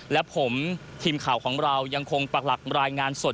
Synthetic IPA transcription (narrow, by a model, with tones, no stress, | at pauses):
lɛ˦˥pʰo˩˦mt̪ʰiː˧mkʰaː˨˩wkʰɔː˩˦ŋɾa˧wja˧ŋkʰo˧ŋpa˨˩k̚la˨˩ɾaː˧jŋaː˧nso˨˩t